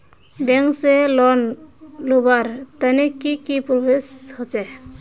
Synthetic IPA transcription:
beŋkselɔnlubaɾt̪anekikipɾobeshɔt͡ʃe

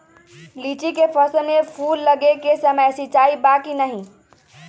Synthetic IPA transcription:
lit͡ʃikepʰəsənmepʰulːəɡekesəməjsit͡ʃaibakinəɦĩ

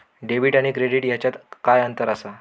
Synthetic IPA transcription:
ɖebiːʈaɽ̃ikɾeɽiʈjat͡ɕjat̪kajənt̪əɾasa

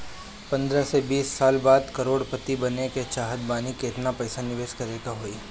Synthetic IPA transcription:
pɐ̃nd̪ɾəsebiːsːaːlbaːd̪kɐɾoːɽpɐt̪ibɐneket͡ʃaːɦəd̪baːnikeɪt̪napɐɪsanɪʋeːʃkɐɾeːɡaɦoːiː

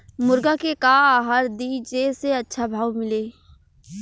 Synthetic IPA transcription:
mʊɾɡakekaːɦaɾd̪id͡ʒeseɐtːʃʰabʱaːwmɪleː

